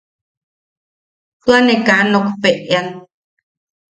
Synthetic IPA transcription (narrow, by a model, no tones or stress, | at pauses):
t̪uanekanokpeʔjan